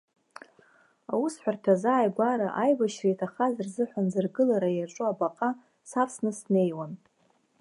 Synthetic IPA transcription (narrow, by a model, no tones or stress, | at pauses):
awusħʷᶣartʰazaːjɡʷaɾaʔajbaʃrijtʰaχazarzɨħʷanzɨrɡɨlaɾajaʈ͡ʂʷʼuabaqʼa | sapʰsnɨsne̞jwan